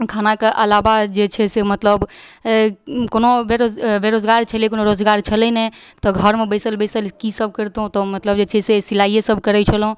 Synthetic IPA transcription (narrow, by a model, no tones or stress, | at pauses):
kʰanakeʔəlabad͡ʒet͡ʃʰɛsemət̪ləb | konobeɾod͡ʒbeɾod͡ʒɡaɾt͡ʃʰəliekonoɾod͡ʒɡaɾt͡ʃʰəlɛnet̪ɔɡʱəɾmebəɪsəlbəsəlkisəb̚ʱkəɾt̪ɦũt̪ɔmət̪ləbd͡ʒet͡ʃʰɛsesilaijesəb̚ʱkəɾɛt͡ʃʰəlɦũ